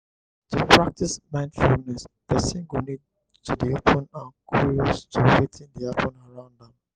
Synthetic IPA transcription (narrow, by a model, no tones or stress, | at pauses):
tupʰɹak̚tismãɪ̃ndfulnɛspɛsĩnɡonid | tudiapʰə̃nãnkʰuɹiɔstʰuwetʰĩndiapʰə̃naɹãʊ̃nddɛ̃m